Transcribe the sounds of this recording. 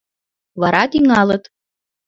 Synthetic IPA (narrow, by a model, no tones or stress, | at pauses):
βɑɾɑt̪iŋɑlɤt̪